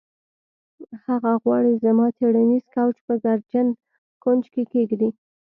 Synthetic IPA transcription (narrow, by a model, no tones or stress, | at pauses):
haɣaɣwɑɽizamɑt̪ʰeɽanizkawt͡ʃpəɡaɾd͡ʒan | kond͡ʒkekeɡd̪i